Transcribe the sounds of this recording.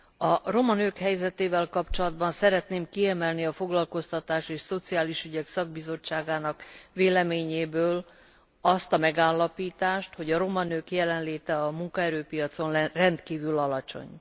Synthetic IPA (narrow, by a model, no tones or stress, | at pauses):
ɒro̞mɒnøːkhɛjzɛt̪eːvɛlkɒpt͡ʃo̞lɒd̪bɒnsɛɾɛt̪neːmkiɛmɛlniɒfo̞ɡlɒlko̞st̪ɒt̪aːʃeːʃso̞t̪siaːliʃyɟɛksɒɡ̚bizo̞t͡ʃːaːɡaːnɒkveːlɛmeːɲeːbøːl | ɒst̪ɒmɛɡaːlːɒpiːt̪aːʃt̪ho̞ɟɒɾo̞mɒnøːkjɛlɛnleːt̪ɛɒmuŋkɒɛɾøːpijɒt̪so̞nrɛnt̪kiːvylɒlɒt͡ʃo̞̰ɲ